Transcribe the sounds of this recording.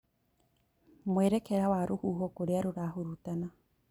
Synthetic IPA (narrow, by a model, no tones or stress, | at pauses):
mweɾekeɾawaɾuhuːɦokoɾeaɾuɾaɦuɾutana